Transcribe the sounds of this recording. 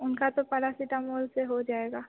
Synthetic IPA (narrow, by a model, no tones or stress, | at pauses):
ʊnkat̪opɐɾasiʈamoːlseɦod͡ʒaːeːɡaː